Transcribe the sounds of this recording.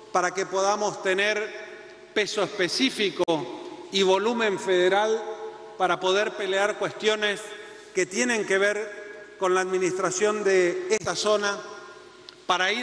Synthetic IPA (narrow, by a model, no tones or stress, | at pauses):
paɾakepo̞ðamo̞st̪eneɾ | pesoespesifikoiβo̞lumẽ̞ɱfeðeɾal | paɾapo̞ð̞eɾpe̞leaɾkwe̞st̪jo̞nes | ket̪jenẽ̞ŋkeβeɾko̞nlaːðminist̪ɾasjo̞nd̪eest̪aso̞na | paɾai